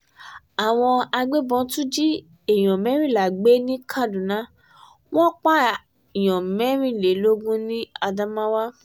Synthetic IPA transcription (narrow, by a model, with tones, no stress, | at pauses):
a˨w̃ɔ̃˧a˧ɡ͡be˦bɔ̃˧tũ˦d͡ʒi˦ | e˨j̃ɔ̃˨mɛ̃˨˦ɾ̃ĩ˦˨la˨ɡ͡be˦nĩ˦kʰa˦˨dũ˨nã˨˦ | w̃ɔ̃˦k͡pa˦ | i˨j̃ɔ̃˨mɛ˨˦ɾ̃ĩ˦˨le˨˦lo˦ɡũ˦nĩ˦a˧dã˦mã˦wa˦